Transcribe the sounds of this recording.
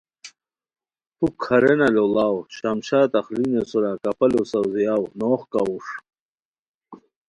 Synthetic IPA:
pukʰɐɾenɐlolaːwɕamɕaːt̪ɐχlinesuɾakɐpɐlosɐwzijawnoːχkauʂ

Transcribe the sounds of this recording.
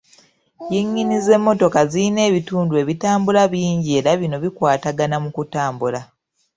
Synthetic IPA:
jiɲːinize̞mːo̞to̞kaziine̞ːβituːndue̞ːβitaːmbulaβiːɲɟie̞ːɾaβino̞βikwaːtaɡanamukutaːmbula

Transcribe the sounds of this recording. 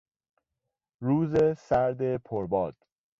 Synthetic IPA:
ɾuːzesæɾd̪e̞pʰoɾbɒːd̪̥

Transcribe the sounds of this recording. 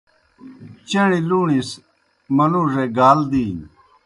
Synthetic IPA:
t͡ɕeɽiluːɳis | mɐnuʐeɡaːld̪iː

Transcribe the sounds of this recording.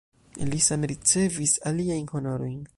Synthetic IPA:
lisamɾit͡se̞visaliajnho̞no̞ɾo̞jn

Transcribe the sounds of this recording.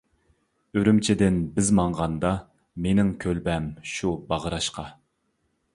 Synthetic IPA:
øɾymt͡ʃʰɪd̪ɪnbɪzmɑɴʁɑnd̪ɑ | menɪŋkʲʰølbɛmʃubɑʁəɾɑʃqɑ

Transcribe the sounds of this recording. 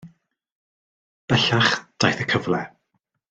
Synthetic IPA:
b̥ɛɬaχd̥ajθəkʰəvlɛ

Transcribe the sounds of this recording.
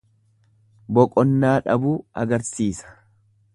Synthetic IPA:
bɔkʼɔnːaːᶑɐbuːɐɡɐɾsiːsɐ̥

